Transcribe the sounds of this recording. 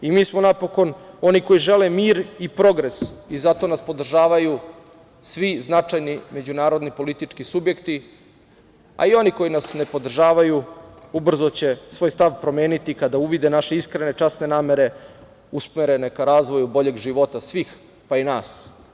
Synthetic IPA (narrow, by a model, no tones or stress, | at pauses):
imiːsmonapo̞ko̞no̞niko̞jiʒe̞lemiːɾipɾo̞ɡɾe̞sizat̪o̞naspo̞d̪r̩ʒaːʋaju | sʋiznat͡ʃajnime̞d͡ʑunaːɾo̞d̪nipo̞lit̪it͡ʂkisubje̞kt̪i | a̰io̞niko̞inasne̞po̞d̪r̩ʒaːʋajuubr̩zot͡ɕe̞sʋoːjst̪aʋpɾo̞me̞ːnit̪ikad̪auʋid̪enaʃe̞iskɾenet͡ʃasne̞naːme̞ɾe̞ | usmeɾe̞ne̞kaɾaːzʋo̞jubo̞ʎe̞ɡʒiʋo̞t̪asʋiːx | painaːs